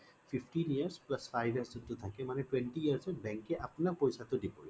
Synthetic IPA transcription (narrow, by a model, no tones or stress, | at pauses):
fʰifʰʈinijəɹsplasfʰajbʱijəszɔt̪ːut̪ʰakɛmanɛtwɛnʈiiəɹsɛbɛ̃ŋkːɛʔapnapɔjsat̪ʊdipɔɹi